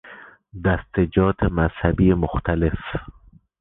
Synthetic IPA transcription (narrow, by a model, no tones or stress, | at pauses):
d̪æst̪ed͡ʒɒːt̪ʰemazhæbijemʊxt̪ʰalef